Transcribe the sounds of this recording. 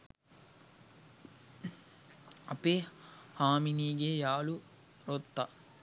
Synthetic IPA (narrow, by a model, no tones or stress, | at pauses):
ɐpeːhaːminiːɡejaːlu | ɾot̪ːɐ